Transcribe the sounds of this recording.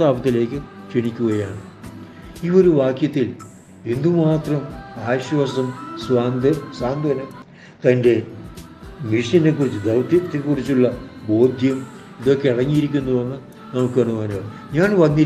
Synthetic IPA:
aːbɐt̪ːile̞ːkːɨt͡ɕiɳikʲːuɣɐjaːɳɨ | iʋo̞ɾuʋaːkjɐt̪ːil | end̪umaːt̪rɐmaːɕʋɐsɐmsʋaːnd̪ɐsaːnd̪ɐnɐm | t̪ɐnde̞ | miʂjɐnek̬ːurit͡ɕːɨd̪ɐwt̪ɐt̪ːekːurit͡ɕːuɭːɐbo̞ːd̪ʱjɐm | iðo̞kːeiɽɐŋːiiɾik̬ʲːunːɐðenːɨ | nɐmukːɨɐɳːuʋaːnoː | ɲaːnʋɐnːi

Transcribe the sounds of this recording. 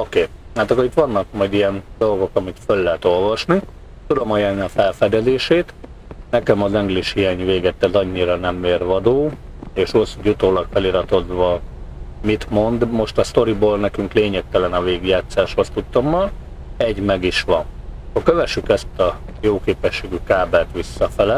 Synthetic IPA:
o̞keːaːt̪ɒkːoɾit̪ʋɒnːɒk̚mɒjd̪ijɛnd̪o̞lɡo̞kɒmikfølːɛɦɛt̪o̞lvɒʃni | t̪ud̪o̞mɒjɛlniɒfɛlfɛd̪ɛd̪eːʃeːt̪ | nɛkɛmɒzɛŋɡliʃhijaːɲveːɡɛt̪ːɛzɒɲːiɾɒnɛmːeːrʋɒd̪oː | eːʃosjut̪oːlɒkfɛliɾɒt̪o̞d̪ʋɒ | mit̪mo̞nd̪mo̞ʃt̪ɒst̪o̞ɾiboːlnɛkyŋkleːɲɛk̚t̪ɛlɛnɒveːɡjaːt̪saːʃho̞st̪ut̪ːo̞mːɒl | ɛɟmɛɡiʃʋɒn | kokøvɛʃykɛst̪ɒjoːkeːpɛʃːeːɡykaːbɛlt̪ʋisːɒfɛlɛ

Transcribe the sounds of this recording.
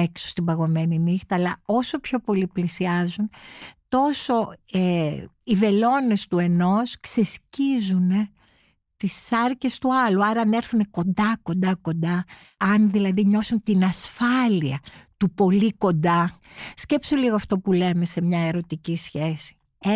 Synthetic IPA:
ekso̥st̪imbɐɣo̞me̞ninixt̪ɐːlɐo̞so̞pço̞po̞liplisiɐzunt̪o̞so̞eive̞lo̞ne̞st̪ue̞no̞skse̞scizune | t̪isɐɾce̞st̪uɐluɐɾɐɐne̞ɾθune̞ko̞nd̪ɐko̞nd̪ɐko̞nd̪ɐː | nðilɐðiɲo̞fsunt̪inɐsfɐliɐt̪upo̞liko̞nd̪ɐsce̞psoliɣoɐft̪o̞pule̞me̞se̞mɲɐe̞ɾo̞t̪icisçe̞si̥

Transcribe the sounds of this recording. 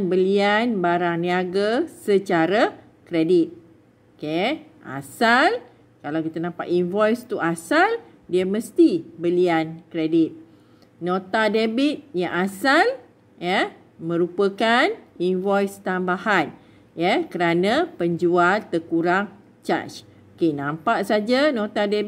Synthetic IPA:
nbəlianbaɾaŋniaɡasət͡ʃaɾa | kɾedit̪̚ | okeʔa̰sal | kalawkit̪anãmpa̰t̪invɔjst̪uasal | diəmə̃st̪ibəliankɾedit̪̚ | nõt̪adebit̪̚jaŋasal | jə | mə̃ɾupəkaninvɔjst̪ambahan | jəkəɾanãpəɲd͡ʒualt̪əkuɾaŋ | t͡ʃa̰t͡ʃ | okenãmpaʔsad͡ʒanõt̪ade

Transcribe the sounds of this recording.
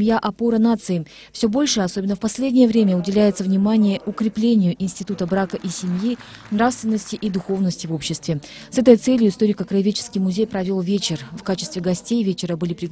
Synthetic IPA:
mʲjaʔɐpo̞ɾənat̪sɨɪ | fsʲobo̞lʲʂɨɐso̞bʲɪnːəfpɐsʲlʲedʲnʲɪjəvɾʲemʲəʊdʲɪlʲæjɪt̪səvnʲɪmanʲɪjəʔʊkɾʲɪplʲenʲɪjʊʔɪnsʲtʲɪt̪ut̪əbɾakəʔisʲɪmji | nrafst̪vʲɪnːəsʲtʲɪʔid̪ʊxo̞vnəsʲtʲɪvo̞pɕːɪst̪vʲɪsɛt̪əjt̪sɛlʲjʊɪst̪o̞ɾʲɪkəkɾəɪvʲet͡ɕɪ̥skʲijmʊzʲejpɾɐvʲo̞lˠvʲet͡ɕɪrfkat͡ɕɪst̪vʲɪɡɐsʲtʲejvʲet͡ɕɪɾəbɨlʲɪpɾʲɪ

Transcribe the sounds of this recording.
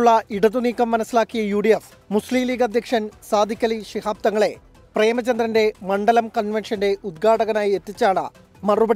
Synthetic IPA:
uɭːɐiɽɐðuniːkːɐmːɐnɐsilaːkːijɐjuːɖijef | musliːmliːɡɐd̪ʱjɐkʂɐnsaːd̪ʱikʲːɐliɕihaːp̚t̪ɐŋːɐɭe̞ | pre̞ːmɐt͡ɕɐnd̪rɐnde̞mɐɳɖɐlɐmkɐnʋenʂɐnde̞ʔud̪̚ɡʰʱaːʈɐɣɐnaːjiet̪ːit͡ɕːaːɳɨ̰ | mɐrubɐ

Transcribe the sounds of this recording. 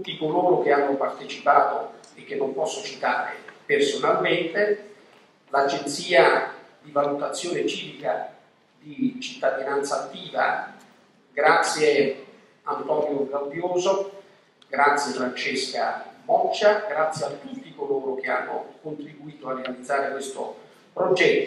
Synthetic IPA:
ut̪ːikoloːɾokeanːopart̪et͡ʃipaːt̪oekːenːompɔsːot͡ʃit̪aːɾḛpersonalment̪e | lad͡ʒent̪siːad̪ivalut̪at̪sːjoːnet͡ʃiːvika | d̪it͡ʃit̪ːad̪inant̪saːt̪ːiːva̰ | ɡɾat̪sːje | ant̪ɔːnjoɡɾambjoːzo | ɡɾat̪sjefɾant͡ʃeskabɔt͡ʃːaɡɾat̪sːjeat̪ut̪ːikoloːɾok̟ea̰nːokont̪ɾibuiːt̪oarːealid̪zːaːɾekwest̪o̰ | pɾod͡ʒɛt̪ːo

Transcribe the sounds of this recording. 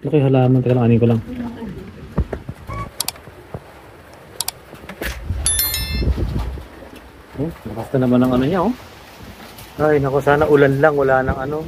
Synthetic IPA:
lɐkɪɦɐlaːmɐnt̪ɐɡɐlɐŋʔaːniŋkolaŋ | ʔomɐpast̪ɐnɐmanɐŋɐnoɲao | ʔajnɐkosaːnaʔʊlanlaŋwɐlaːnɐŋɐno̞

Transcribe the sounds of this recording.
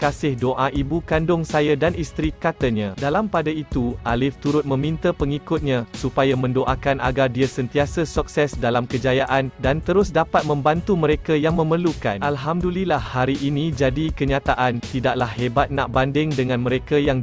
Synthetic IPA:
kasɪhdoʔaʔibukandʊŋsajadanist̪ɾikat̪əɲãdalampadait̪uʔalɪft̪uɾʊt̪̚mə̃mĩnt̪əpəŋikʊt̪̚ɲãsupajamə̃ndoʔakanʔa̰ɡardiasənt̪iasəsuk̚sɛsdalamkəd͡ʒajaʔandant̪əɾʊsdapat̪̚mə̃mbant̪uməɾekajaŋmə̃məluka̰nʔalɦamdulilahːaɾiʔːnĩd͡ʒadikəɲãt̪aʔant̪idaʔlahːebat̪̚naʔbandɪŋdəŋãnmə̃ɾekajaŋ

